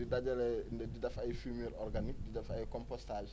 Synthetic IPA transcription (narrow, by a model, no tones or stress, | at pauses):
idɐɟɐlɛndɛdidɐfɐjfumɛɾɔrɡanik̚didɐfɐjkɔmpɔstal